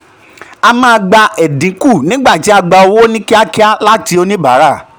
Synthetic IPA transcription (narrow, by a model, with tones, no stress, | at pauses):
a˧mã˦˧ɡ͡ba˧ɛ˨dĩ˨˦ku˦˨nĩ˦ɡ͡ba˦˨ti˨˦a˧ɡ͡ba˧o˧wo˦nĩ˦ki˦a˦ki˦a˦la˦ti˧˦o˧nĩ˦ba̰˨˦ɾa˦˨